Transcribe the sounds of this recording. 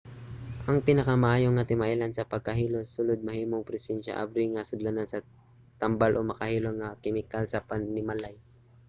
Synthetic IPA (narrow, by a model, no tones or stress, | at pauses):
ʔɐŋpɪnɐkamɐʔaːjoŋɐt̪ɪmaʔilansɐpɐɡ̚kɐɦiːlosʊlod̪̚mɐhiːmoŋpɾɛsɛnʃa̰ʔa̰bɾiŋɐsʊd̪lanansɐ | t̪ɐmbalʔomɐkɐhiːloŋɐkɪmɪkalsɐpɐnnɪmalaj